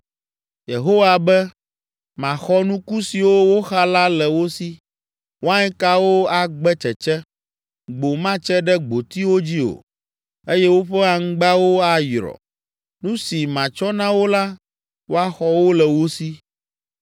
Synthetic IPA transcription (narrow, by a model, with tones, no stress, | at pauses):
je˨ɦo˦wa˨bɛ˦ | mã˨xɔ˦nũ˦ku˦si˨wo˦wo˦xa˦la˦lɛ˨wo˦si˦ | wo˦a˦ɲɛ̃˦ka˦wo˦a˨ɡ͡bɛ˦t͡ʃɛ˨t͡ʃɛ˦ | ɡ͡bo˨mã˦t͡ʃɛ˦ɖɛ˦ɡ͡bo˨t̪i˦wo˦d͡ʑi˦o̰˨ | e˦jɛ˦wo˦ɸɛ˦a˨ŋ̩˦ɡ͡ba˦wo˦a˨jɾɔ̰˨ | nũ˦si˨mã˨t͡ʃɔ˦nã˦wo˦la˦ | wo˦a˦xɔ˦wo˦lɛ˨wo˦si˦